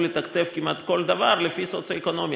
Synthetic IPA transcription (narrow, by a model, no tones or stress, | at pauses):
let̪akt͡sefkimat̪ko̞ld̪avaɾlefisot͡saeko̞no̞mj